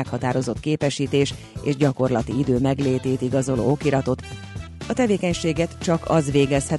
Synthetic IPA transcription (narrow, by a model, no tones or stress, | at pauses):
ɛkhɒt̪aːɾo̞zo̞t̪keːpɛʃiːt̪eːʃ | ḛːʒɟɒko̞rlɒt̪iid̪øːmɛɡleːt̪eːt̪iɡɒzo̞lo̰ːo̞kiɾɒt̪o̞t̪ | ɒt̪ɛveːkɛɲʃeːɡɛt̪t͡ʃɒkɒzʋeːɡɛshɛ